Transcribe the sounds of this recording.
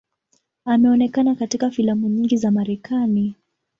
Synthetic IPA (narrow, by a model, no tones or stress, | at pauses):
amɛɔnɛkanakatikafilamuɲiŋɡizamaɾɛkʰani